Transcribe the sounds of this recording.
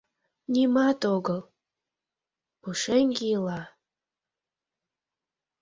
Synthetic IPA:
nʲimɑt̪oɡəlˠ | puʃeŋʲɡilɑ

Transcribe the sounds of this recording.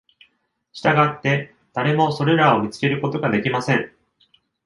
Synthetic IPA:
ɕi̥t̪aɡat̪ːe̞ | d̪̥aɾe̞mo̞so̞ɾe̞ɾao̞mʲit͡sɨ̥ke̞ɾɯ̟ko̞t̪o̞ɡad̪e̞kʲimasẽ̞ŋ

